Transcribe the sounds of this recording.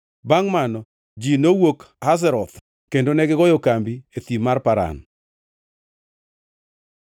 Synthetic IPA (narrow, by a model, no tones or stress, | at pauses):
baŋmanɔ | d͡ʒinowok | haz̬ɛɾɔt̪ | kendonɛɡɪɡɔjɔkambiet̪imarpaɾa̰n